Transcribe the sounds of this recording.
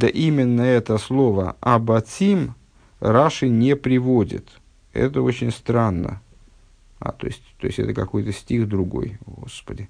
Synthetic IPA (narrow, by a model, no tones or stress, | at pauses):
d̪əʔimʲɪnːəɛt̪əslˠo̞və̰ɐbɐtʲim | ɾaʂɨnʲepɾʲɪvodʲɪ̰t̪ | ɛ̰t̪əot͡ɕɪnʲst̪ɾanːə̰ | a̰t̪o̞̰ɪsʲtʲt̪o̞ɪsʲtʲɛ̰t̪əkɐko̞jt̪əsʲtʲixd̪ɾʊɡo̞̰jɡo̰spədʲɪ